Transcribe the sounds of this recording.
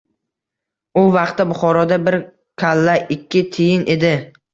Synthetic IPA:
ʊvɑqt̪ːabʊχɒɾɒd̪abɪɾ | kʲʰalːaʔɪkʲʰːɪt̪ʰɪjɪnʔe̞d̪ɪ

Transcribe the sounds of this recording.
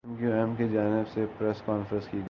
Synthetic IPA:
mkjuɛmked͡ʒaːnɪbsepɾɛskɔːnfɾə̃nskiɡ

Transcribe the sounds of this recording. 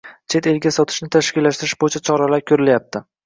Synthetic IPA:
t͡ʃʰe̞t̪e̞lɡʲasɒt̪ʰɪ̥ʃnɪt̪ʰaʃkʲɪlːaʃt̪ɪɾɪʃbojɪt͡ʃʰat͡ʃʰɒɾalaɾkʲʰɵɾɪljap̚t̪ʰɪ

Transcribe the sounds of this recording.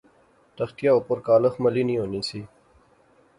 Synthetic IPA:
t̪əxt̪jaopoɾkaːləxmɐliːnĩːɦoːnĩːsiː

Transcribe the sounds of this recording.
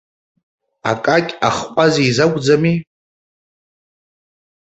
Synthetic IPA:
a̰kʼakʲʼaχqʷʼazezaɡʷʼd͡zami

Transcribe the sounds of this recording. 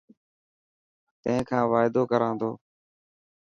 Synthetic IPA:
t̪ə̃ẽːkʰãːʋaːɪd̪oːkəɾãːnd̪oː

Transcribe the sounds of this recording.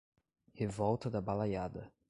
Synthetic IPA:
hivɔwt̪ɐd̪ɐbalajad̪ɐ

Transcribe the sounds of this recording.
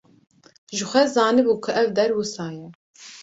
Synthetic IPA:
ʒɨxʷɛzɑːnɨbuːkʰʊʔɛvd̪ɛɾwʊsɑːjɛ

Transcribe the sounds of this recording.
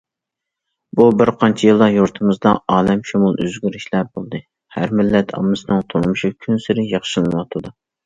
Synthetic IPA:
bubɪɾqʰɑnt͡ʃʰijɨlˠd̪ɑjuɾt̪ʰɨmɨzd̪ɑɑːlɛmʃumulˠø̰zɡʲyɾiʃlæbolˠd̪ɨ | hæɾmɪlːɛt̪ʰɑ̰mːɨsɨnɨŋt̪ʰoɾmuʃukʲʰynsɪɾɪjɑχʃɨlɨwɑt̪ʰɨd̪u

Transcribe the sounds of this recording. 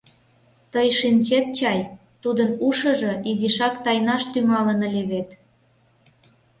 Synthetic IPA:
t̪əjʃinʲt͡ɕet̪̚t͡ɕɑj | t̪ud̪ənuʃɤ̆ʒɤ̆ʔiziʃɑkt̪ɑjnɑʃt̪ymɑlənəlʲeβet̪

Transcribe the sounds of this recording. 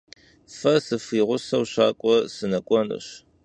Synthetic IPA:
fɐsɨfiːʁʷʊsɐwɕaːkʷʼɔsɨnɐkʷʼɔnɨ̰ɕ

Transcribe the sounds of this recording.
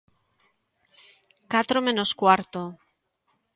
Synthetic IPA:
kat̪ɾomẽ̞noskwaɾt̪o

